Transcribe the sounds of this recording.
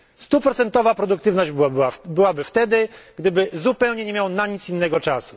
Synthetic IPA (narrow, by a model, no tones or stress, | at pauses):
st̪upɾɔt̪sɛnt̪ɔvapɾɔd̪ukt̪ɘvnɔʑd͡ʑabɘwabɘft̪ɛd̪ɘɡd̪ɘbɘzupɛwɲɛɲɛmʲjawnaɲit̪sinːɛɡɔt͡ʂasu̥